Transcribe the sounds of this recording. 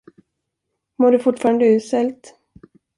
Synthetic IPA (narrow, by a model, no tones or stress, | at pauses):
moːɖɵfʊʈːfɑːɾand̪əʉ̟ːsɛlt̪